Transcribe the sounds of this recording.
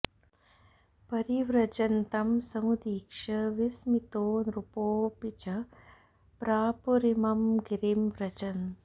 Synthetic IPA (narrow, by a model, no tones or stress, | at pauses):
pɐɾiʋɾɐt͡ʃɐnt̪ɐmsɐmud̪iːkʂɐʋismit̪oːnɾupoːpit͡ʃɐ | pɾaːpuɾimɐmɡiɾimʋɾɐt͡ʃɐn